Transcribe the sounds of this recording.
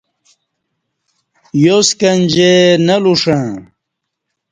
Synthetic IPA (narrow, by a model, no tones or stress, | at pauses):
joskɐnd͡ʑenɐluʂã